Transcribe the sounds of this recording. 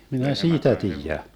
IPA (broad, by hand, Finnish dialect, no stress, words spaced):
minæ siːtæ tiːjæ